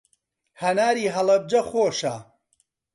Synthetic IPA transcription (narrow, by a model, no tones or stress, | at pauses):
hɐnaːɾiːɦɐlˠɐb̚d͡ʒɐxoːʃa